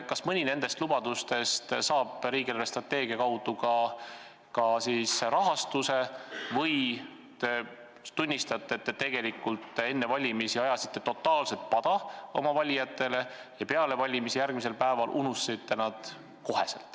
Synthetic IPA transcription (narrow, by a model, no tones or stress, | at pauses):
kɑsmɯnʲine̞nd̪̥e̞st̪lubɑd̪ust̪e̞st̪sɑːb̥ɾiːɡielest̪rɑt̪ːe̞ːɡ̥iɑkɑwd̪ukɑ | kɑsiːsrɑɦɑst̪use̞vɤj | t̪e | t̪unʲːist̪ɑt̪ːˑet̪ːet̪e̞ɡ̥e̞likːˑult̪ːˑe̞nːe̞vɑlʲimisiɑjɑsi̥t̪ːˑe̞t̪ot̪ːˑɑːlse̞lt̪̚pɑd̪̥ɑo̞̰mɑvɑlʲijɑt̪ːˑe̞le̞ | jɑpe̞ɑle̞vɑlʲimisijærɡ̥mise̞lpæevɑlʔunusːit̪ːe̞nɑd̪̥ | ko̞he̞̰sḛlt̪ːˑ